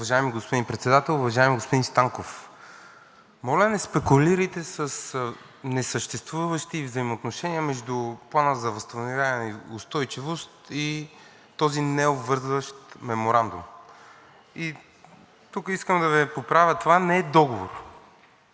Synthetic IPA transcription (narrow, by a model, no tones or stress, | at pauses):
ʊvɐʒajɛmiɡospod̪inpɾɛt̪sɛd̪at̪ɛlˠʊvɐʒajɛmiɡospod̪inst̪aŋkof | mɔlʲɛnɛspɛkʊliɾəjt̪ɛsəs | nɛsəʃt̪ɛst̪vuvəʃt̪ivzɐimoːt̪noʃɛniəmɛʒd̪uplˠanəzɐvɐst̪ɐvnovʲavniʊst̪ɔjt͡ʃivost̪i | t̪ɔzinɛobvɤɾzvəʃt̪mɛmoɾand̪ṵm | i | t̪ukəiskəmd̪ɐvipopɾavʲjət̪ovanɛd̪ɔɡovo̰ɾ